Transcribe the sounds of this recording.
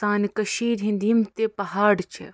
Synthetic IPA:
t̪aːnkɐʃiːɾɦĩnd̪ijmt̪epɐɦaːɽt͡ʃʰḛ

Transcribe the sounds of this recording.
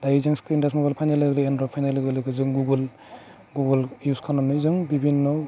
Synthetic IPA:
d̪ajizaŋskɾindasmɔɡalpʰajnalɯɡlɯenɾɔpʰajnalɯɡɯlɯɡɯzɯŋɡuɡɯl | ɡuɡɯljuskʰanɔnɯzɯŋbibʱinːɔ

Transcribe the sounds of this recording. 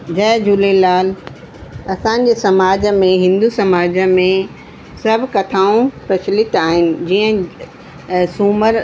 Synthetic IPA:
d͡ʑɐːd͡ʑulelaːl | ɐsãːɲ̆d͡ʑeːsɐmaːd͡ʑmẽɦɪ̃nd̪usɐmaːd͡ʑəmẽ | sɐbʱkɐt̪ʰaːũpɾɐt͡ɕʰlɪt̪aːɦɪnɪ̆d͡ʑiːə̃ | suːməɾ

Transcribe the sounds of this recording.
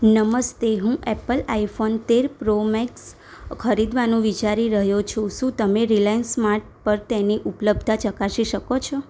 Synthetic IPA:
nəməst̪eɦũʔɛpəlaifont̪eɾpɾomɛks | kʰəɾid̪ʋanũʋit͡ʃaɾiɾəɦjot͡ʃʰõʃũt̪əmeɾilajnsmaɾʈ̚pəɾt̪eniʔupləb̚d̪ʱat͡ʃəkaʃiʃəkot͡ʃʰɔ

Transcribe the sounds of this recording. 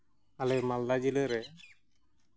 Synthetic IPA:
alɛmald̪ad͡ʒiləɾɛ

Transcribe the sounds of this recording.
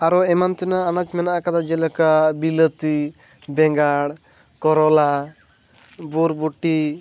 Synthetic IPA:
aɾɔɛmant̪inaːnat͡ʃmɛnaʔakad̪ad͡ʒɛlɔkabilət̪i | bɛŋɡaɽ | kɔɾɔla | buɾbuʈːi

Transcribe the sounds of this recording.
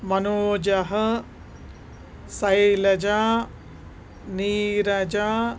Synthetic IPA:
mɐnoːd͡ʒɐɦɐ | sɐjilɐd͡ʒãː | niːɾɐd͡ʒãː

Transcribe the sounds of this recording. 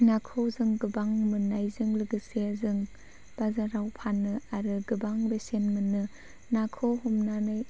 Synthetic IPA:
nakʰɯwzɯŋɡɯbaŋmɯnːajzɯŋlɯɡɯseazɯŋ | b̥azaɾawpʰanɯaɾɯɡɯbaŋbesenmɯnːɯ | nakʰɯwhɔmnanɯj

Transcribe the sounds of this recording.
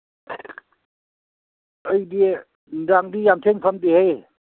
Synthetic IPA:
əjdi | daŋdijamt̪ʰeŋkʰamt̪ihej

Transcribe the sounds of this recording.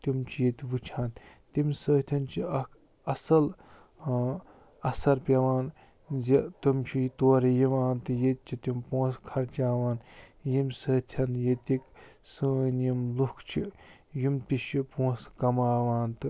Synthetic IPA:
t̪umt͡ʃʰijet̪ʋut͡ʃʰãːnt̪imsɐːt̪ʰʲɐnt͡ʃʰiɐ | ɐsɐl | ɐsɐɾpʲɐʋaːn | zɐt̪omt͡ʃʰit̪oːɾijiʋaːnt̪ɨjet̪̚t͡ʃʰit̪impõːskʰɐɾt͡ʃaːʋaːnjimsɐːt̪ʲʰɐnjet̪iksɨːnjimlukʰt͡ʃʰijimt̪iʃipõːskɐmaːʋaːnt̪ɨ

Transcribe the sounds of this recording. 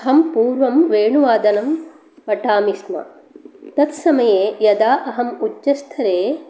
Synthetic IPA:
ɦɐmpuːɾʋɐmʋeːɳuʋaːd̪ɐnɐm | ʋɐʈaːmismɐ̰ | t̪ɐt̪sɐmɐjeːjɐd̪aːʔɐɦɐmuːɐst̪ʰɐɾeː

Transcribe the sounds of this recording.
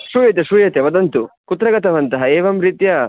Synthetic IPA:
ʃuːjɐt̪eʃujɐt̪eʋɐd̪ɐnt̪ukut̪ːɾɐɡɐt̪ɐʋɐnt̪ɐɦɐeːʋɐmɾit̪jɐ

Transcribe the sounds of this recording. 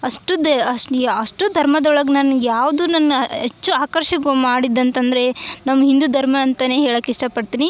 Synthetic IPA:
ɐʂʈud̪ɐɐʂʈud̪ʱɐɾmɐd̪ɐɔɭɐɡɐnaːnujaːʋd̪uːnɐnɦet͡ʃːuaːkɐɾʃɐɡmaːɽid̪ːɐnt̪ɐnd̪ɐɾe̞nɐmːɐɦind̪ud̪ʱɐɾmɐnt̪ɐneːɦeːɭɐːkːiʂʈɐpɐɽt̪iːni

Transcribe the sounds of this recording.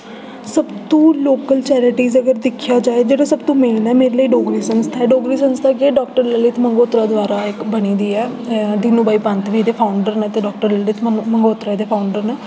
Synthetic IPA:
səbt̪õːloːkəlt͡ʃɛːɾɪʈiːzəɡəɾd̪ɪkʰjaːd͡ʒaːeːd͡ʒeːɽaːsəbt̪õːmeːnɛːmeːɾeləiːɖoːɡɾiːsənst̪ʰaɛːɖoːɡɾiːsənst̪ʰakeɖɔːkʈəɾləlɪt̪ʰməŋɡoːt̪ɾaːd̪ʋaːɾaːɪkbəniːd̪iːɛːd̪inũːbaːiːpənt̪ʋiːd̪eːpʰaːʊɳɖəɾnɛ̃ːt̪eːɖɔːk̚ʈəɾləlɪt̪ʰmməŋɡoːt̪ɾaːd̪eːpʰaːʊɳɖəɾnɛː

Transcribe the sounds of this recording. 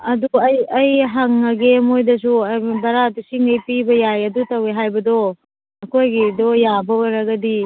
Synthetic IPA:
ɐduɐjɐjɦaŋːɐɡemojdɐsuɐbɐɾatisiŋɐjpibɐjajɐdutɐweɦajbɐdɔ | ɐkʰojɡidɔjabɐwɐɾɐɡɐdi

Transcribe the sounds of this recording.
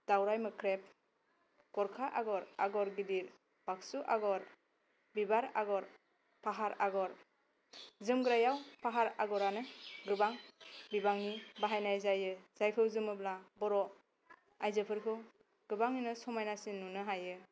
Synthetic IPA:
d̥awɾajmɯkʰɾep̚ | ɡ̥ɔɾkʰaʔaɡɔɾaɡɔɾɡidiɾ | b̥aksuʔaɡɔɾ | bibaɾaɡɔɾ | pʰaɦaɾaɡɔɾ | zɯmɡɯɾajawpʰaɦaɾaɡɔɾanɯɡɯbaŋbibaŋnibaɦajnajzajɯz̥ajpʰɯwzɯmɯblabɔɾɔ | ajzɯpʰɯɾkʰɯw | ɡ̥ɯbaŋinɯsɔmajnasinːunɯɦajɯ

